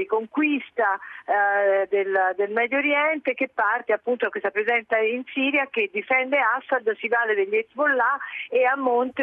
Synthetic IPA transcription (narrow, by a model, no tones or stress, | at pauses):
ikoŋkwist̪a | d̪eld̪elmɛd̪jooɾjɛnt̪ek̟epːart̪eapːunt̪oakːwest̪apɾezɛnt̪sainsiːɾjak̟ed̪ːifɛnd̪easːad̪sivaːled̪eʎːɛt̪ːvolːaeamːont̪